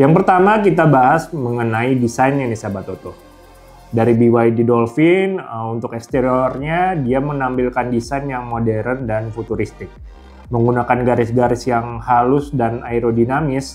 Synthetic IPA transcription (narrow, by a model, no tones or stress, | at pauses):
jaŋpərt̪amakit̪abaɦasməŋənaidisajnɲanisabat̪ot̪o | daɾibiwajdidolfɪnəunt̪ʊkɛkst̪eɾiorɲadiamənampilkandisajnjaŋmodɛɾəndanfut̪uɾist̪ɪk̚ | məŋɡunakanɡaɾɪsɡaɾɪsjaŋhalʊsdanaiɾodinamɪs